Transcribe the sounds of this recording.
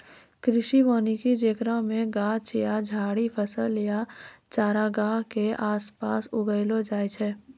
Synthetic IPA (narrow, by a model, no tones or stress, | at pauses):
kɾɪʃimoːnikid͡ʒeːkɾamẽɡaːt͡ʃjad͡ʒʱaːɽipʰəsəljat͡ʃaːɾaɡãːɦkeʔaːspaːsʊɡəɪlod͡ʒaːjt͡ʃʰɛː